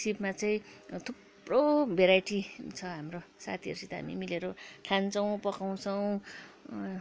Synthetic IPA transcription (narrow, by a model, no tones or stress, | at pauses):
sipmat͡saĩt̪ʰub | robʱeɾajʈit͡sʰʌɦamrosa̰t̪ʰiʌɾsit̪a̰mḭmileɾoʈʰant͡sʌw̃pʌkaw̃t͡sʰʌw̃